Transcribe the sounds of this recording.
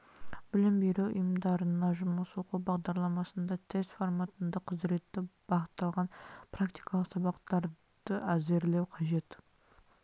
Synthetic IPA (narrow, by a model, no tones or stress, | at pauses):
b̥ɪlɪmbejɾewʊ̰jəmd̪ɑɾənɑʒʊməsoquwbɑʁd̪ɑɾlˠɑmɑsənd̪ɑt̪ʰest̪fo̞rmat̪ənd̪əqʰəzɾe̞t̪ːɪb̥ɑχət̪ːɑlˠʁɑnprakt̪i̥jkɑlˠəqsɑβɑqt̪ɑɾ | d̪̥əæze̞ɾlewqʰɑʒe̞t̪